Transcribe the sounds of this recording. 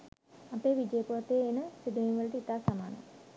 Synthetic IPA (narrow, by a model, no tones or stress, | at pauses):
ɐpeːʋid͡ʒejəpuɾɐt̪ːeːnəsid̪əjenʋəliʈəit̪aːsamaːnɐ̰